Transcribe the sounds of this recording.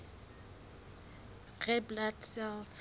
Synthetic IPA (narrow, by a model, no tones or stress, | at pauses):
rɛbladsɛlθ